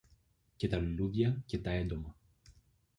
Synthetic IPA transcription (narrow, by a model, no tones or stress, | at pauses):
ce̞t̪ɐlluðʝɐce̞t̪ɐe̞nd̪o̞mɐ